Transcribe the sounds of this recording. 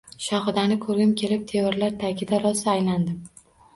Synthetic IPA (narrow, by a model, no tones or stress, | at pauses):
ʃɒχɨd̪anɪkʰɵɾɡʲɪmkʲʰe̞lɪp̚t̪ʰe̞ɪɾlaɾt̪ʰakʲʰɪd̪aɾɒsajland̪ɪm